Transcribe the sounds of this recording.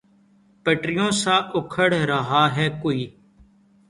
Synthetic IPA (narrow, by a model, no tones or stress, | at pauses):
pəʈɾɪjõːsaːʔʊkʰəɽɾəɦaːɦɛːkoːiː